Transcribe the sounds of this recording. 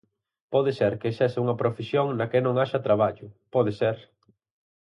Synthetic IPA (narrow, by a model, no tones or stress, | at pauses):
pɔðeseɾkeesɛsɪuŋɐpɾofesjoŋnɐkenõŋaʃɐt̪ɾaβ̞aʎʊpɔðeseɾ